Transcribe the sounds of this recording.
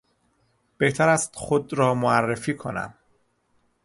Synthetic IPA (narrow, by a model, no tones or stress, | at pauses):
b̥e̞ht̪ʰæɾæst̪xod̪ɾɒːmoærːefiːkʰo̞̰næ̰m